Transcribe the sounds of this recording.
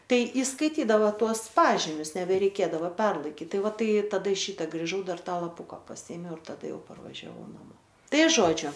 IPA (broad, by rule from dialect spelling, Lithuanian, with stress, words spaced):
ˈtɐɪ iːskɐɪˈtʲiːdɐʋoː ˈtuɔs ˈpɑːʒʲɪmʲʊs nʲɛbʲɛrʲɛɪˈkʲeːdɐʋɐ ˈpʲɛrlˠɐɪkʲɪt ˈtɐɪ ˈʋɐ ˈtɐɪ tɐˈdɐ ˈʃʲiːtɐ ɡrʲɪˈʒɐʊ ˈdɐr ˈtɑː lˠɐpʊkɑː pɐˈsʲiːeːmʲɛʊ ɪr tɐˈdɐ ˈjɛʊ pɐrʋɐʒʲɛˈʋɐʊ nɐˈmoː ˈtɐɪ ˈʒoːd͡ʒʲʊ